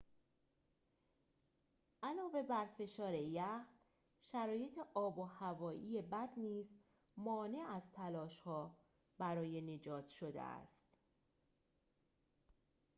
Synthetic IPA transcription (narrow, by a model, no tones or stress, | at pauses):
ʔælɒːve̞bæɾfe̞ʃɒːɾe̞jæx | ʃæɾɒːje̞t̪ʰeʔɒːbohævɒːʔiːjebæd̪niːz | mɒːne̞æzt̪ʰælɒːʃhɒː | bæɾɒːje̞ne̞d͡ʒɒːt̪ʰʃo̞d̪ḛæ̰st̪